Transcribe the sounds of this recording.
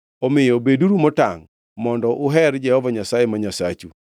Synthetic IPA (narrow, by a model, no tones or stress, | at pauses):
omɪjɔbeduɾumɔta̰ŋ | mɔndɔʔʊɦɛɾd͡ʒɛhɔvaɲasajemaɲasa̰t͡ʃu